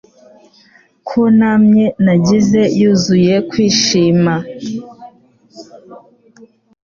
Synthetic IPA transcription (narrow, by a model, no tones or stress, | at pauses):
kʰunamɲenaɟize̞juːzuje̞kwiːʃiːma